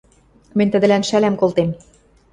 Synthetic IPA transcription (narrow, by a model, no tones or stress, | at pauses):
mɘ̆nʲt̪ə̆d̪ɘ̆lænʃælæmkolt̪em